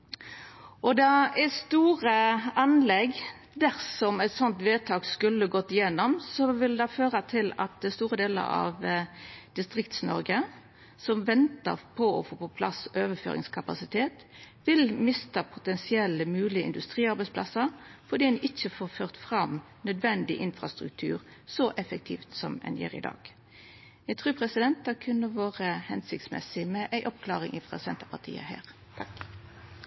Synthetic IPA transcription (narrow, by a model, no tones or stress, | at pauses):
ʔɔd̪ɑæst̪uːʁəɑnlɛɡ | d̪æʁsɔmɛɪt̪sɔnt̪ʋeːt̪ʰɑːɡskʉlːəɡɔt̪ːɪjɛnːɔmsɔʋɪld̪ɑføːʁət̪ʰɪlɑ̰t̪̚d̪əst̪uːʁəd̪eːlə̰ɾɑ̰ʋd̪̥ɪst̪ʁɪkt̪snɔ̰ɾɡə | sɔmʋɛnt̪ə̰ʁpʰɔɔ̰foːpɔpʰlɑsɔøːʋəfø̰ːɾɪ̰ŋskʰɑpɑ̰sɪt̪ʰeːt̪ | ʋɪlmɪst̪əpʰʊ̥t̪ɛnsɪɛləmʉːlɪəɪnd̪ʉst̪ʁiːɑɾbɛɪspʰlɑ̰səɾfɔʁd̪iːʔɪçəfoːʁføːʁt̪fʁɑm | nœd̪ʋɛnd̪ɪʔɪnfʁɑst̪ʁʉk̚t̪ʰʉ̰ːʁsɔʔɛfək̚t̪ʰḭːft̪sɔmɛ̰njḛːʁɪ̰d̪ɑ̰ːɡ̥ | jæɡt̪ʰʁʉːpʰʁɛsɪd̪ɛnt̪̚d̪ɑkʰʉnːəʋoːʁəhɛnsɪk̚t̪smɛ̰sɪmɛʔæɪʔɔpkʰlɑːʁɪŋʔɪfʁɑ̰sɛnt̪əpʰɑt̪ʰḭːə̰hæ̰ːʁ | t̪ʰɑk